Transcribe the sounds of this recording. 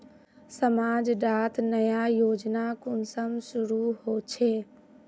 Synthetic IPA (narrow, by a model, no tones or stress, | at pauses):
səmad͡ʒɖat̪nəjajod͡ʒnakunsəmsuɾuɦot͡ʃʰe